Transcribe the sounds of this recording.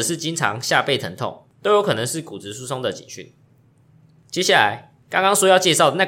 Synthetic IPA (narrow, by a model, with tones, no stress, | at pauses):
ə˨˩ʂɻ̩˥˨t͡ɕi˦nʈ͡ʂʰɑ̰˧˥ŋɕja˥˧pe˥˩ɪt̪ʰə˧˦nt̪ʰɔ̰˥˩ŋt̪o˥ʊjo˧ʊkʰɤ˨˩nə˧˦ŋʂɻ̩˥˩ku˨˩t͡sɻ̩˧˦su˥sʰo˦ŋd̪ə˨t͡ɕḭ˨˩nɕy̰˥˨˩ | t͡ɕje˥ɕja˥˩la̰˨˦ɪ | kɑ˥ŋkɑ˥ŋswɔ˥jɑ˥˧ʊt͡ɕjɛ˥˧ʂɑ˥˨˩ʊd̪ə˨˩na˥˨˩